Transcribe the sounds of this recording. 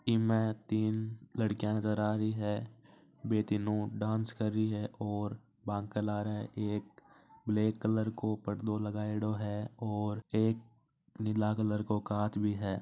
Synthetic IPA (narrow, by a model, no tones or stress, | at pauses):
kimɛ̃t̪iːnləɽkijãnəzəɾaːɾəiɦɛː | beːt̪inõɖãːnskəɾːiɦɛʔɔːɾ | bãːŋkːəlaːɾɦɛʔeːk̚bleːkːələɾkopəɽd̪oləɡaːeɽoɦɛɔːɾeːk̚ | nɪlakələɾkokaːt̪ʰbʱiɦɛː